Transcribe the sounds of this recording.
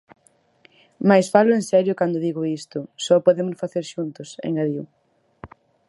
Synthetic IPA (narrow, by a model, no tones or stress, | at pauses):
majsfalʊẽnsɛɾjʊkand̪ʊðiɣʊist̪ʊsɔpoðemʊsfaθeɾʃunt̪ʊsḛŋaðiw